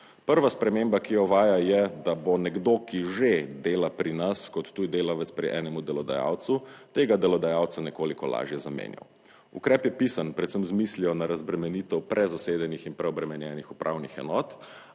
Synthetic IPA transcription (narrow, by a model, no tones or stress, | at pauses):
pəɾʋaspɾɛmeːmbakijɔʋaːjajɛd̪abonɛɡd̪oːkiʒed̪eːlapɾinaskɔt̪ːuid̪eːlaʋɛt̪spɾiʔɛːnɛmud̪ɛlɔd̪a̰ja̰ːwt̪sut̪eːɡad̪ɛlɔd̪ajaːwtsanɛkoːlikɔla̰ːʒjɛzamḛːnja̰w | ṵkɾɛːpjɛpiːsanpɾɛt̪səmzmisliɔnaɾazbɾɛmɛniːt̪ɛwpɾʔɛzaseːd̪ɛnixinpɾɛɔbɾɛmɛnjɛnixupɾʔa̰ːwnixɛ̰nɔːt̪